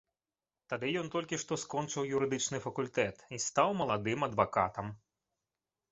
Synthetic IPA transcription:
t̪ad̪ɨjɔnt̪ɔlʲkʲiʂt̪ɔskɔnt͡ʂɨwjuɾɨd̪ɨt͡ʂnɨfɐkulʲt̪ɛt̪ist̪awmɐlˠad̪ɨmɐd̪vakat̪ɐm

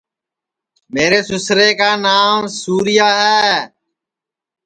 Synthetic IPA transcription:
meːɾeːsʊsɾeːkaːnaːmsuːɾɪjaːɦɛː

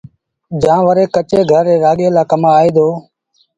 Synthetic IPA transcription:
d͡ʒãːʋəɾeːkət͡ʃeːɡʱəɾːeːɾaːɠeːlaːkəmaːeːd̪oː

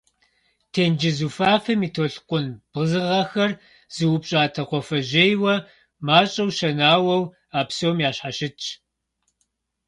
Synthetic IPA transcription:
tʰeːnd͡ʒɪzufaːfɐmiːtʰoːɬqʷʼʊnb̥ʁəzɨʁɐxɐr | z̥ɨwʊpɕʼaːtʰɐqʷɔfɐʒejwɐ | maːt͡ʃʼɐwʃɐnaːwɐw | aːpsoːmjaːɕħaɕɪt͡ʃʼʰ

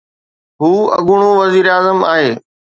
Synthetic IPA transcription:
ɦuːɐ̰ɠʊɽ̃ũʋɐziːɾaːzəma̰ːɦeː

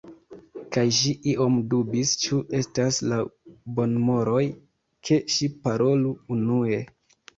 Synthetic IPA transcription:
kajʃiʔiʔo̞mdubist͡ʃuʔe̞staslabo̞nmo̞ɾo̞j | kʰe̞ʃipaɾo̞luunue̞

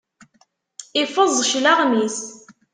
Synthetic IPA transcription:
ɪfəzˤʃlaʁmis

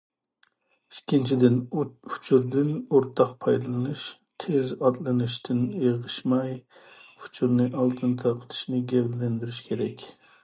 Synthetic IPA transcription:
ikʲʰːint͡ʃʰid̪ɪnu̥t͡ʃʰuɾd̪ɪnoɾt̪ʰɑqpʰɑjd̪ɨlˠɨnɨʃ | t̪ʰezɑt̪lˠɨnɨʃt̪ʰɪnjeʁɨʃmɑj | u̥t͡ʃʰuɾnɨʔɑlˠt̪ʰɨnt̪ʰɑɾqʰə̥t̪ʰɨ̥ʃnɨɡʲɛvllɛnd̪ɪɾɪʃkʲʰeɾɛkʲ

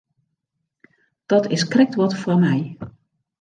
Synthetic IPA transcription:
d̥ɔtɪskrɛk̚tʋɔtfwɔmɛj

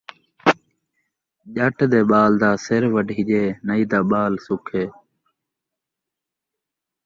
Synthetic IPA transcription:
ʄəʈʰd̪eːɓaːld̪aːseɾʋəɖʱiːʄeːnəiːd̪aːɓaːlsʊkʰeː

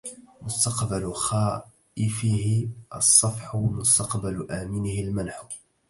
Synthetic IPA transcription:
mʊst̪ɑqbalʊxaː | ʔɪfɪhɪʔɑsˤːɑfħʊmʊst̪ɑqbalʔaːmɪnɪhɪlmanħʊ̥

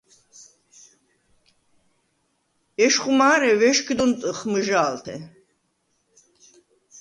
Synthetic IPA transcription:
ɛʃχumaːɾɛvɛʃkʰd̪ɔnt̪ʼɨχməʒaːlt̪ʰɛ̰

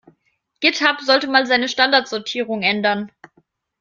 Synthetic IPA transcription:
ɡ̥ɪthapz̥ɔltəmaːlzaɪnəʃtandaɐtz̥ɔɐtʰiːʁʊŋʔɛndɐn

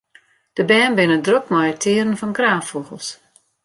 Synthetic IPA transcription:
d̥əbɛːnbɪnədrokmɔjətʰɪəɾənfɔnkraːfoɣəlˠs

